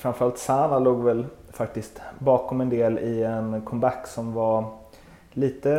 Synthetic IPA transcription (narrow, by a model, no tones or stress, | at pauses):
fɾamfœɾalt̪saːvaloːɡvɛlfak̚t̪ɪst̪bɑːkɔmɛnd̪eːlɪɛnkʰɔmbakːsɔmvaɾ | liːt̪ə